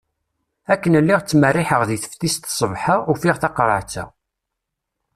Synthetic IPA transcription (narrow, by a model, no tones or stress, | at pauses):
ækːənlːiʁt͡sːmərːɪħəʁðiθə̥ft̪ist̪sˤəvħaufiʁθɑqɾˤə̰ʕt͡sːæ̰